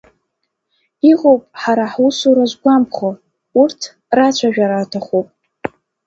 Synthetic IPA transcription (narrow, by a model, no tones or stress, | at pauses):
iʁowpʼħaɾaħusuɾaʒʷɡʷamχo | urtʰ | rat͡ɕʷʰaʒᶣaɾatʰaχupʼ